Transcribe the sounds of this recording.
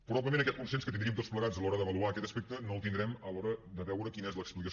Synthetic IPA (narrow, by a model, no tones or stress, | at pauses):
pɾuβapləmẽnəkɛt̪̚kunsenskət̪ind̪ɾiəmt̪otspləɣad͡zəlɔɾəðəβəluakɛt̪əspek̚t̪ənoəlˠt̪ind̪ɾɛməlɔɾəd̪əβɛwɾəkinəɛzləksplikəs